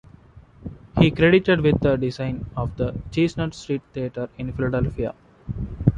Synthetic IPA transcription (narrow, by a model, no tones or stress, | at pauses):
hiːkɾeɖɪʈeɖʋɪd̪ːəɖɪzãɪ̃nɔːʋd̪ət͡ʃiːsnəɾsʈɾiːʈ̚t̪ieʈəɾɪ̃nfɪlaɖelfia̰